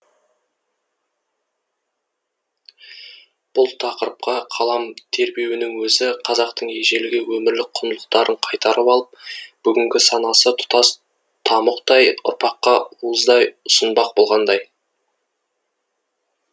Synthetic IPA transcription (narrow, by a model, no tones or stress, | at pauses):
b̥ʊlˠt̪ʰɑqəɾəp̚qɑqʰɑlˠɑmt̪ʰe̞ɾbewɪnɪŋwɵzɪqʰɑzɑqt̪əɴe̞ʒe̞lɪɡʲɪwɵmɪɾlɪk̚qʰʊnlˠə̥qt̪ɑɾəɴqʰɑjt̪ɑɾəpɑlˠəp̚b̥ʏɡʲɪŋɡʲɪsɑnɑsət̪ʰʊ̥t̪ɑs | t̪ʰɑməqt̪ɑjʊ̰ɾpɑqːɑuəzd̪ɑjʊsənbɑq̚bo̞lˠʁɑnd̪ɑj